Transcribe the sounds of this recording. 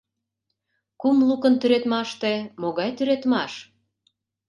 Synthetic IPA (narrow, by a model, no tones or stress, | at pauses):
kumlukə̆nt̪yɾet̪mɑʃt̪emoɣɑjt̪yɾet̪mɑʃ